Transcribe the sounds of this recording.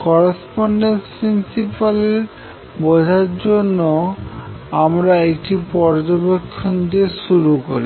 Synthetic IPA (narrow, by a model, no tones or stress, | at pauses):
kɔɾespɔɳɖenspɾinsipaleɾ | bod͡ʑʱaɾd͡ʑonːo | amɾaekʈipɔɾd͡ʑobekʰːond̪ieʃuɾukoɾi